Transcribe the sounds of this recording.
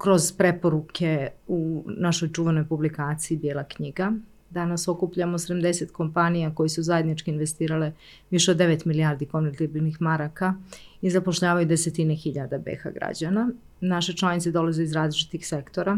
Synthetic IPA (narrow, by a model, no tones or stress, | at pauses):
kɾo̞zpɾe̞po̞ɾukʰe̞unaʃo̞jt͡ʃuʋe̞no̞jpublikaːt̪sijid̪jelˠakɲiɡa | d̪anaso̞kupʎamosed̪amd̪e̞set̪ko̞mpanijako̞jesuzajed̪nit͡ʃkiinʋe̞st̪iːɾale̞ | ʋiʃeod̪ːe̞ʋe̞t̪miliaːɾd̪iko̞nʋeɾt̪ibilnixmaɾaka | izapo̞ʃʎaːʋajud̪e̞se̞t̪inexiʎad̪abḛxa̰ɡɾa̰d͡ʑana | naʃet͡ʃlˠanit̪se̞d̪o̞lazeizɾaːzlit͡ʃi̥t̪ixse̞kt̪o̞ɾa